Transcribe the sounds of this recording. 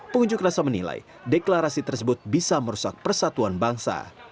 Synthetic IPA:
pəŋuɲd͡ʒʊkrasamənḭla̰j | deklaɾasit̪ərsəbʊt̪̚bisaməɾusak̚pərsat̪uanbaŋsa̰

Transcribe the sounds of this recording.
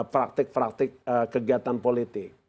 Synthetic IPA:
pɾak̚t̪ɪk̚pɾak̚t̪ɪk̚əkəɡiat̪anpolit̪ɪk̚

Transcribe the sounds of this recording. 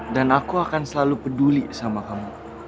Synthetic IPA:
danakuakansəlalupədulisamakamu

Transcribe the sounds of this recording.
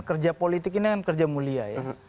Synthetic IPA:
kərd͡ʒapolit̪ɪk̬inikankərd͡ʒamuliaja

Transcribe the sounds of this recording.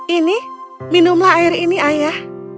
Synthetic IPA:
iniminumlaːjɪɾiniʔajah

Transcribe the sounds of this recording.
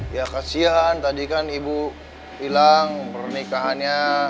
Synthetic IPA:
jakasiant̪adikanibu | ilaŋpərnikaɦanɲa

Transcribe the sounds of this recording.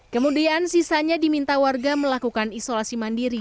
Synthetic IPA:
kəmudiansisaɲadimint̪awarɡaməlakukanisolasimandiɾi

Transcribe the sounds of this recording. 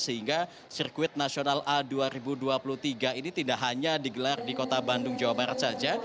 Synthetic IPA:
səɦiŋɡa | sirkuɪt̪̚nasionaladuaɾibuduapulut̪iɡainit̪indaʔɦaɲadiɡəlardikot̪abandʊŋd͡ʒawabaɾat̪̚sad͡ʒa

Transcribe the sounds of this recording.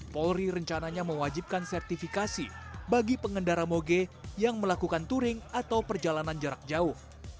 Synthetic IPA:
pɔlriɾəɲt͡ʃanaɲaməwad͡ʒip̚kansɛrt̪ifikasḭbaɡipəŋəndaɾamoɡejaŋməlakukant̪uɾɪŋat̪awpərd͡ʒalanand͡ʒəɾak̚d͡ʒaʊh

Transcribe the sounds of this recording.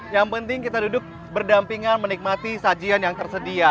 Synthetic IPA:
jaŋpənt̪ɪŋkit̪adudʊk̚ | bərdampiŋanmənik̚mat̪isad͡ʒianjaŋt̪ərsədia

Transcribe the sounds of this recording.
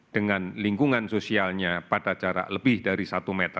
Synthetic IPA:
d̥əŋanliŋkuŋansosialɲapadat͡ʃaɾa̰ləbɪhdaɾisat̪umɛt̪ə

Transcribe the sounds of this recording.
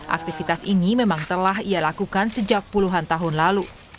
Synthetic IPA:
ʔa̰k̚t̪ifit̪asinimemaŋt̪əlaɦijalakukansəd͡ʒak̚puluɦant̪aɦʊnlalu

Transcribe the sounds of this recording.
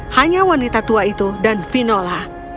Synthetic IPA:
haɲawanit̪at̪uait̪udanfinola

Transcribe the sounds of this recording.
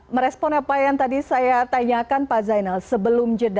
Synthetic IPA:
məɾɛspɔnapajaŋt̪adisajat̪aɲakanpazajnalsəbəlʊmd͡ʒəda

